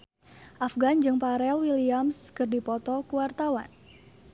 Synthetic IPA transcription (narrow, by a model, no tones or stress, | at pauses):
ʔafɡand͡ʒɨŋpaɾɛlwiliamskɨrdipɔt̪ɔkuwart̪awa̰n